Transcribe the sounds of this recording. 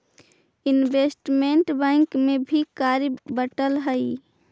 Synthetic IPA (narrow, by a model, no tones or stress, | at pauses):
inbesʈmeɳʈbɛ̃ŋkmebʱikaɾbəʈəlɦəi